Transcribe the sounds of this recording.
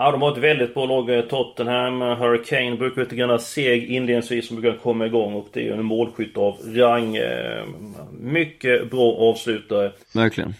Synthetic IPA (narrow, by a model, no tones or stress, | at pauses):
ad̪ɔmhaɾɛt̪vɛld̪ɪt̪̚bɾɑːlɑːɡt̪ʰɔt̪ːənhɛmːɦœɾɪkʰɛɪnbɾʉ̟ːkaɾɭiːt̪əɡɾanːaseːɡɪnleːd̪nɪ̃ŋsviːsɔmb̪ʉːkankʰɔmːaɪɡɔŋːɵpt̪ʰɪ̰ɛnmoːlɧʏt̪ːavɾaŋː | mʏkːəbɾɑːʔɑːvslʉ̟ːt̪aɾə | væɾkʰlɪ̰ɡə̰n